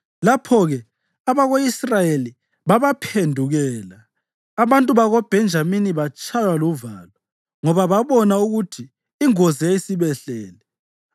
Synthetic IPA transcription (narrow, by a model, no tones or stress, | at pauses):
lapʰɔɣɛ | aβaɣoisrajeli | βaβapʰendʱuɣɛːlaː | βantʼuβaɣɔb̥ʱɛnd͡ʒʱaminiβat͡ʃʼajwaluvaːlwa | ŋɔβaβaβɔnauɣutʰiː | ŋozijaisiβɛɬɛːlɛ